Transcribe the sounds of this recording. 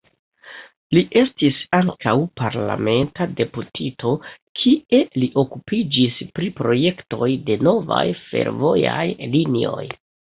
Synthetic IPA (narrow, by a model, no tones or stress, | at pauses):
liʔe̞stisaŋkawpaɾla̰me̞ntade̞putʰitʰo̞kʰiʔe̞liʔo̞kupid͡ʒispɾipɾo̞je̞kto̞jde̞no̞va̰jfe̞̰ɾvo̞jajlinio̞̰j